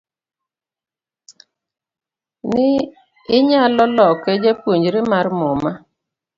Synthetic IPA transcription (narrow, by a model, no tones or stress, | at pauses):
nɪ | ɪɲalɔlɔkɛd͡ʒapwoɲd͡ʒɾemarmɔma